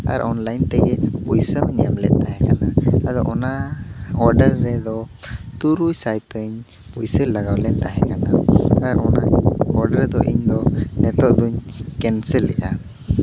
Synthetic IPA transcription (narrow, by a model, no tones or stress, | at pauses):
a̰ɾʔɔnlajnt̪ɛɡɛpujsəmɲɛamlɛ̰t̪̚ˀt̪aɦɛkanaad̪ɔ̰ʔɔnaɔɾɖəɾːɛd̪ɔ | t̪uɾujsajtəɲ | pujsəlːaɡawlɛt̪̚t̪aɦɛkanaaɾɔ̰naɔɾɖəɾd̪ɔʔḭɲd̪ɔnɛt̪ɔʔd̪uɲkɛnsɛlːɛ̰ʔa